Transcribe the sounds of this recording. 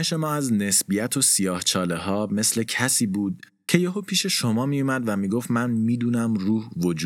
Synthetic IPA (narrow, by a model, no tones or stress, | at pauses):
eʃe̞mɒːæzne̞sbijæt̪ʰo̞sijɒːht͡ʃʰɒːle̞ɦɒːme̞sle̞cʰæsiːbuːd̪̥̚ | cʰe̞jeɦoːpʰiːʃe̞ʃo̞mɒːmijumæd̪væmiːɡo̞ft̪mænmiːd̪uːnæmruːhvo̞d͡ʒuː